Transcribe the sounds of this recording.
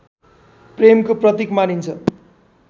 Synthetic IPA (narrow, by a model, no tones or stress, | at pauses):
premkoprʌt̪ikmanint͡sʰʌ